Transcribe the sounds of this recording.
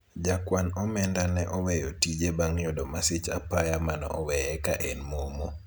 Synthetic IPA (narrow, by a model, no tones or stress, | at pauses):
d͡ʒakwanɔmɛndanɛʔɔwɛjɔtid͡ʒebaŋjɔdɔmasɪt͡ʃapajamanɔ̰ʔɔwɛjɛkaʔenmomo